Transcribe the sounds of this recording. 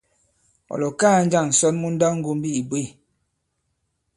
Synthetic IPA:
ɔ̰˨lɔ˨kaː˦˨n̩˦d͡ʒa˦˨ŋn̩˨sɔ˦nmu˦n̩˦da˦ŋ̩˦ɡo˦m˦bi˦i˨bwe˦˨

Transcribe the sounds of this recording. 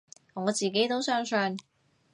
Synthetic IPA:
ŋɔː˨˧t͡siː˨ke˨˥jt̪o˥wsœː˥ŋsœː˧n

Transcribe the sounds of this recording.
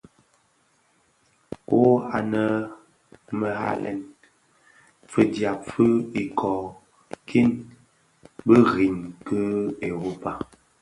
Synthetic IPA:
ko˦a̰˨nə˦˨˦ | mə˨ɦa̰˦lɛ̰˨n | fə˦dja˨p̚fə˦i˨kɔː˨ | kʰi˦n | bə˦ɣi˨ɲkə˦e˨ɣo˨pa˦

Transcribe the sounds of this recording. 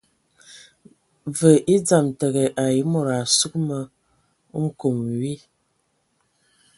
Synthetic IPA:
və˨ʔi˦d͡za˨mtə˨ɣɛ˨ʔa˨ji˨˦mo˨ɾa˨su˦k̚mə˨˦ | ŋ̩˦ko˨mɥi˦

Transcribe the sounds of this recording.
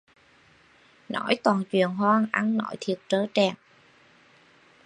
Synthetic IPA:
nɔ˧˩˥jt̪waː˨˩nt͡ɕwḭ˧˨ənɦwaː˧ŋʔa˧nnɔ̰˧˥jt̪ʰi˨˩ət̚t͡ɕəː˧˦t͡ɕɛ˨˩ŋ

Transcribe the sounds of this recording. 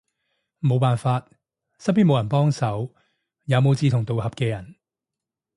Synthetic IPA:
mo˨˧wpaː˨nfaː˧t̚ | sɐ˥piː˥nmo˨˧wjɐ˨˩npɔː˥ŋsɐ˨˥w | jaː˨˧wmo˨˧wt͡siː˧t̪ʰʊ˨˩ŋt̪o˨whɐ˨p̚kɛː˧jɐ˨˩n

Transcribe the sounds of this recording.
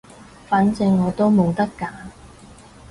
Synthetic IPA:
faː˨˥nt͡sɪ˧ŋːɔː˨˧t̪o˥wmo˨˧wt̪ɐ˥kːaː˨˥

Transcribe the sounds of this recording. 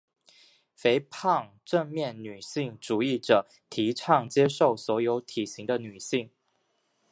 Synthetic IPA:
fe˧˥ɪpʰɑ˥˧ŋ | ʈ͡ʂə˥˧ŋmjɛ˥˩nny˨˩ɕi˥˩ŋʈ͡ʂu˨˩i˥˩ʈ͡ʂɤ˨˩ | t̪ʰi˧˥ʈ͡ʂʰɑ˥˩ŋt͡ɕjɛ˥ʂo˥˩ʊswɔ˧˥jo˧˥ʊt̪ʰi˨˩ɕi˧˥ŋd̪ə˧ny˨˩ɕi˥˩ŋ

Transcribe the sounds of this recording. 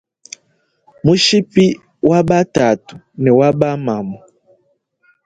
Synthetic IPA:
mu˦ʃi˦pi˦ | wa˦ba˦ta˨tu̥˨ | nɛ˨wa˦ba˦ma˨mɔ˨

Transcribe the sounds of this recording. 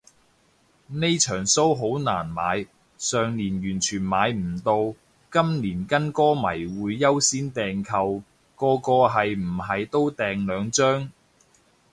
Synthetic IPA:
ne˥jt͡ʃʰœː˨˩ŋso˥wɦo˨˥wnaː˨˩nma̰ː˨˧j | sœː˨ŋliː˨˩njyː˨˩nt͡ʃʰyː˨˩nmaː˨˧jm̩˨˩t̪o˧w | kɐ˥mniː˨˩nkɐ˥nkɔː˥mɐ˨˩jwuː˨˧jːɐ˥wsiː˥nt̪ɛː˨ŋkʰɐ˧w | kɔː˧kɔː˧ɦɐ˨jm̩˨˩ɦɐ˨jt̪o˥wt̪ɛː˨ŋlœː˨˧ŋt͡ʃœː˥ŋ

